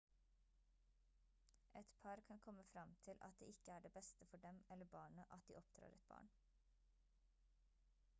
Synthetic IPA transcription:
ʔɛt̪pʰɑɾkʰɑnkʰɔməfɾɑmt̪ʰɪlʔɑ̰t̪̚d̪ḛːɪkəæːɖeːbɛst̪əfɔɖɛmɛləbɑːɳəʔɑt̪̚d̪ḭːɔpd̪̥ɾɑ̰ːɾɛt̪̚b̥ɑ̰ːɳ

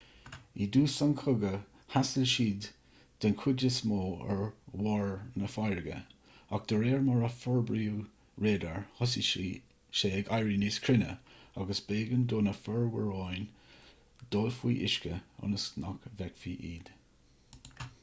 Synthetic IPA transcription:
iːd̪uːsaŋkʰʊɡə | hasəlʃiːd̪ | d̪̥ənkʰʊdəsmoːɛ̰ɹwɔːɹnəfajɹəɡə̰ | ak̚d̪̥əɹeːɹmaɹəfɔɹbɾiːu | ɹeːd̪əɹhɔsi | ʃeːɛɡajɹiniːskʰɾɪnə̰aɡəsbeːɡənd̪oːnəfəɹwəɹɑjn | d̪̥oːlfwḭːʔɪ̰ʃkəʊ̰nəsna̰kvɛkfiːʔiːd̪̥

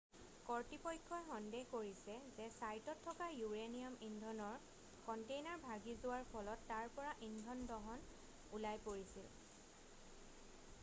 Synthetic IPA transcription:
kɔɹtipɔjkʰːɔjxɔndeɦkoɹisɛzɛsajtɔtʰːɔkajuɹeniamindʱɔnɔɹ | kɔntejnaɹbʱaɡizʊwaɹpʰɔlɔtːaɹpɔɹaʔindʱɔndɔɦɔn | ulajpoɹisḭl

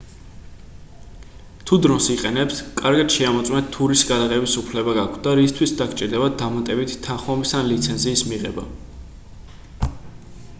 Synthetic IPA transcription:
t̪ʰud̪ɾɔnsiqʼɛnɛpskʼaɾɡad̪̥ʃɛamɔt̪sʼmɛnt̪ʰːuɾisɡad̪aʁɛbisupʰlɛbaɡakʰd̪aɾist̪ʰwisd̪akʰt͡ʃʼiɾd̪ɛbad̪̚dːamat̪ʼɛbit̪ʰːãχamisanlit̪sʰɛnziːsmiʁɛ̰ba̰

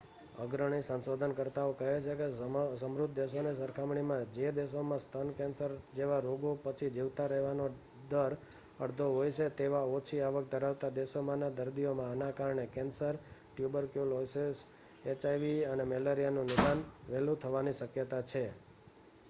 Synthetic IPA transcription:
əɡɾəɳ̃isə̃nsod̪ʱənkəɾt̪aokəɦet͡ʃʰekesəmɾʊd̪̚ʱd̪eʃonesəɾkʰamɳimãd͡ʒed̪eʃomãst̪ʰənkɛ̃nsəɾd͡ʒeʋaɾoɡopət͡ʃʰid͡ʒiʋt̪aɾəɦʋano | d̪əɾ | əɽd̪ʱoɦojt͡ʃʰet̪eʋaot͡ʃʰiaʋək̚d̪ʱəɾaʋt̪ad̪esomãnad̪əɾd̪ijomãːnakaɾɳekɛnsəɾʈjubəɾkjuloses | et͡ʃajʋiənemeləɾijanũnɪʃanʋelut̪ʰəʋaniʃəkjət̪at͡ʃʰe

